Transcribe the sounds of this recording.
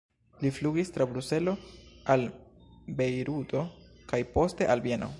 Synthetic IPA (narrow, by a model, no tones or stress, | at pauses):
lifluɡistɾabɾuse̞lo̞albe̞jɾutʰo̞kajpo̞ste̞ʔalbjeno̞̰